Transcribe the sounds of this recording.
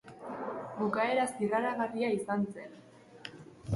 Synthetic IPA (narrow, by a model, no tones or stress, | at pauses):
bukae̞ɾasiraɾaɣariaisanse̞n